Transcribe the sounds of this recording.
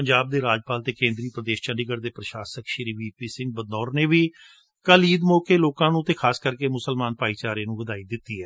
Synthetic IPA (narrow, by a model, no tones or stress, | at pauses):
əɲd͡ʒaːb̚d̪eːɾaːd͡ʒpaːlt̪eːkẽːnd̪ɾiːpɾəd̪eːʃt͡ʃə̃ɳɖiɡəɾd̪eːpɾəʃaːsəkʃɪɾiːʋiːpiːsɪ̃ŋɡ̚bəd̪nɔːɾneːʋiː | kəliːd̪moːkeːloːkãːnũːt̪eːkʰaːskəɾkeːmʊsəlmaːnpaːiːt͡ʃaːɾeːnũːʋəd̪aːiːd̪ɪt̪ːiːɦɛː